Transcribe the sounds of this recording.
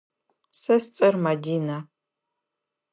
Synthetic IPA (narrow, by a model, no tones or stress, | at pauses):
sɐst͡sʼɐrmadiːna